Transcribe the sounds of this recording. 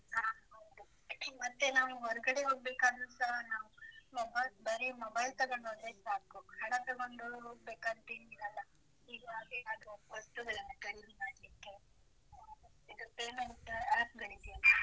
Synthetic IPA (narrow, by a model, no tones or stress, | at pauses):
aːɦɐʋd̪u | mɐt̪ːe̞naːʋuɔɾɐɡɐɽeɦoːɡ̚beːkaːd̪unsɐɦɐnaːʋumɔbɐbɐɾimɔbɐjlt̪ɐɡoɳɖoːd̪ɾesaːkuɦɐɽɐt̪ɐɡoɳɖuɦoːɡ̚beːkaːɡ̪̚t̪iniːɾɐlːa | id̪uad̪eːnaːd̪ɾuʋɐsʈuɡ̪ɐlɐnɐɡɐɽinimaːɽlikːe | id̪upeːmeʈːɐaːp̚ɡɐɽid̪i